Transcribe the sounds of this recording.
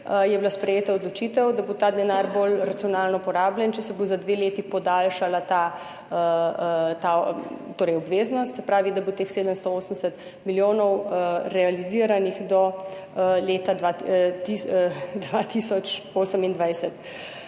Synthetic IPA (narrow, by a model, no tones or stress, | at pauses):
jɛblaspɾɛjeːt̪aɔd̪lɔt͡ʃiːt̪ɛwd̪abot̪aːd̪ɛnaːɾbolɾat̪siɔnaːlnɔpɔɾaːblʲjɛnt͡ʃɛsɛbozad̪ʋeːleːt̪ipɔd̪alʃalat̪aː | t̪at̪oːɾɛjɔbʋeːznɔst̪sɛpɾaːʋid̪abot̪eːxseːd̪əmst̪ɔoːsəmsɛt̪ | miljoːnɔwɾɛaliziːɾanixd̪ɔ | leːt̪aa | d̪ʋat̪isɔt͡ʃoːsəmind̪ʋajsɛt̪